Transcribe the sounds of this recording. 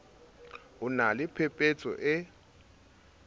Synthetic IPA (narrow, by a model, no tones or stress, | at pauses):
unalɪpʰɛpʼɛt͡sʰʼɔ̰ʔɛ